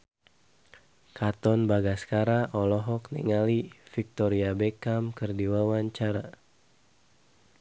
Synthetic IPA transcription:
kat̪ɔnbaɡaskaɾaʔɔlɔɦɔknɛ̰ŋalifik̚t̪ɔɾiabekamkərdiwawaɲt͡ʃaɾa

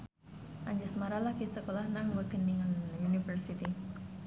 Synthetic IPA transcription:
ʔaɲd͡ʒasmaɾalahɡisəkolahnaŋwəɡ̥əniŋanunifərsit̪i

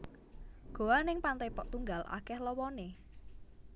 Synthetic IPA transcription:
ɡ̥o̤anɪŋpant̪epɔʔt̪uŋɡalʔa̰kɛhlɔwɔne

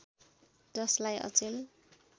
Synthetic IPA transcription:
d͡zʌslajʔʌ̰t͡sel

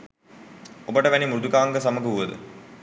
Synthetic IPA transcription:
obəʈəʋænimuɾud̪ukaːŋɡəs̬aməɡəuʋəd̪ə̰

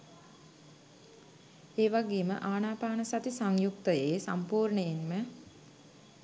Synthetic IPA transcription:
eːʋaɡeːmə̰ʔaːnaːpaːnəsat̪isaŋjuk̚t̪əjeːsampuːɾɳəjenmə

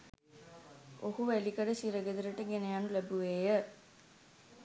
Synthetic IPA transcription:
ohuʋælikɐɖəsiɾɐɡed̪iɾəʈəɡenejanulæbuʋeːjə

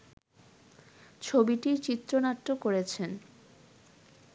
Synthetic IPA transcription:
t͡ɕʰobiʈit͡ɕit̪ːɾonat̪ːokoɾet͡ɕʰen

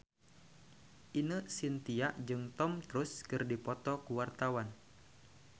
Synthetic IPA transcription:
ʔinəsint̪iaʔd͡ʒɨŋt̪ɔmt̪ɾuskɨrdipɔt̪ɔkuwart̪awan

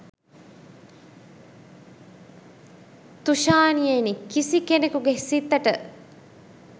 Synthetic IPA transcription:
t̪uʃaːnijenikisikenekuɡesit̪ːɐʈə

